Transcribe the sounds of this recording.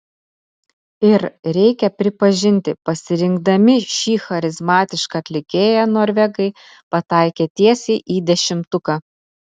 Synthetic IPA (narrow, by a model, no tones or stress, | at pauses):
ɪɾɾʲɛɪkʲɛpʲɾʲɪpɐʒʲɪnʲt̪ʲɪpɐsʲɪɾʲɪŋɡd̪ɐmʲɪʃʲiːxɐɾʲɪzmɑːt̪ʲɪʃkɐɐt̪ʲlʲɪkʲeːjænoːɾʲʋʲɛɡɐɪ | pɐt̪ɑˑɪkʲeːt̪ʲiɛsʲeːʔiːd̪ʲɛʃʲɪmt̪ʊkɑː